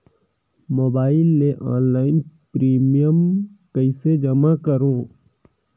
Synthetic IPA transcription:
moːbaːɪlːeʔɔ̃ːnlaːɪnpɾiːmijəmkəɪsed͡ʒəmakəɾõː

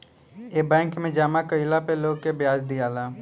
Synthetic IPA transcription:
eːbɛ̃ːŋkmẽd͡ʒaːmakəɪlapeloːɡkebjaːd͡ʒd̪ijaːlaː

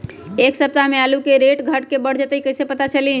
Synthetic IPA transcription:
eksəb̚t̪amealukeɾeʈɡʱəʈkebəɽ̤d͡ʒət̪əjkəjsepət̪at͡ʃəli

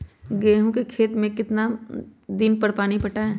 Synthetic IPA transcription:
ɡɛːɦõkekʰeːt̪mẽkɪt̪nad̪ɪnpɐɾpaːnipɐʈaɦɛː

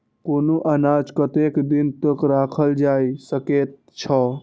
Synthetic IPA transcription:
koːnuʔənad͡ʒkət̪ekd̪int̪əkɾakʰəld͡ʒajsəket̪̚ | t͡ʃʰɔ

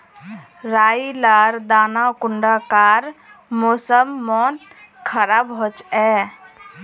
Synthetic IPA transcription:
ɾajilaɾd̪anakuɳɖakaɾ | mosəmːɔn | kʰəɾabɦot͡ʃɛ

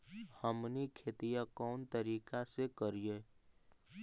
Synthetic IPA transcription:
həmnikʰeːt̪ijakɔːnt̪əɾiːkasekəɾie

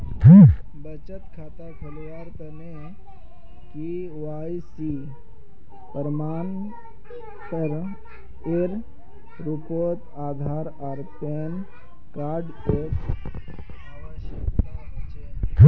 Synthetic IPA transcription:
t̪ʰ | bət͡ʃət̪kʰaːt̪akʰɐlʋaːɾt̪ɐne | ki | ʋaːjsi | pəɾmaːn | təɾ | ɪɾ | ɾupoːt̪ | aːd̪ʱaːɾ | aːɾpen | kaːɾɖ | ek | ʋaʃat͡ʃe

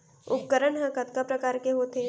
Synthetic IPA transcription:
ʊp̚kəɾənɦə̃kət̪kapɾɐkaːɾkeɦoːt̪ʰeː

